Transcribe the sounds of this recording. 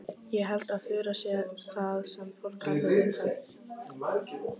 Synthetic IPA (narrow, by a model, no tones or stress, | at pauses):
jɛɦalt̪aðθʏːɾasjɛθaðsɛmfowl̥khaʏɪt̪a | a